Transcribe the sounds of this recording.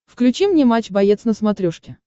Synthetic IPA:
fklʲʉt͡ɕimnʲemat͡ɕbɐjet̪snəsmɐt̪ɾʲoʂkʲɪ

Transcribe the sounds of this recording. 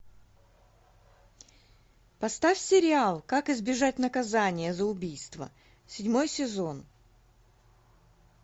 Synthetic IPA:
pɐst̪afʲsʲɪɾʲɪalˠkakɪzbʲɪʐatʲnəkɐzanʲɪjəzəʊbʲijst̪və̰ | sʲɪdʲmo̞jsʲɪzo̞n

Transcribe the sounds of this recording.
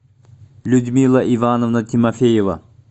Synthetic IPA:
lʲʊd̪mʲilˠɐʔivanovnət̪ʲʰimɐfʲejevə̰

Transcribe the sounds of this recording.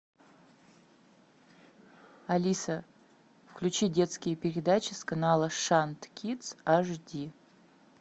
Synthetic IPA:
ɐlʲisə | fklʲʉt͡ɕidʲe̞t̪skʲɪjəpʲɪɾʲɪd̪at͡ɕɪskanalˠəʂant̪kʲit̪saʐdʲi

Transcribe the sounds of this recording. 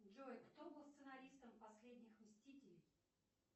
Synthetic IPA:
d͡ʒojkt̪obɨlˠst̪sɨnɐɾʲist̪əmpɐsʲlʲedʲnʲɪxmʲsʲtʲitʲɪlʲɪj

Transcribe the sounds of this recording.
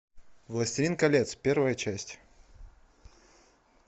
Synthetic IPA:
vlˠəsʲtʲɪɾʲinkɐlʲet̪spʲe̞rvəjət͡ɕæsʲtʲ

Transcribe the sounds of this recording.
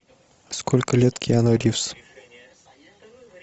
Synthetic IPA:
skʰolʲkəlʲet̪kʲʰijanoɾʲifs

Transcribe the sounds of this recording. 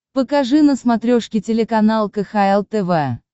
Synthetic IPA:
pəkɐʐɨnəsmɐt̪ɾʲoʂkʲɪtʲɪlʲɪkɐnalˠkəxaɛlˠt̪ɛvɛ

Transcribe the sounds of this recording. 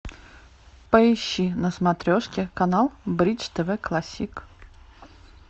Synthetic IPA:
pəɪɕːinəsmat̪ɾʲoʂkʲɪkanalˠbɾʲit͡ʃt̪əvɛklˠasʲik

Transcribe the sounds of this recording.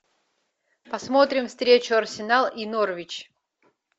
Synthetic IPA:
pɐsmot̪ɾʲɪmfst̪ɾʲet͡ɕʊɐrsʲɪnalˠinorvʲɪt͡ɕ

